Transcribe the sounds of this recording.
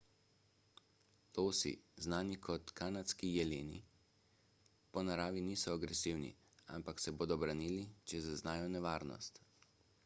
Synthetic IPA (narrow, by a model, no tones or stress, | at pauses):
loːsḭznaːnikʰɔt̪kanat̪skijɛleːnḭ | pɔnaɾaːʋiniːsɔaɡɾɛsiwnḭ | a̰mpaksɛboːd̪ɔbɾaniːlit͡ʃɛzaznaːjɔnɛʋaːɾnɔ̰st̪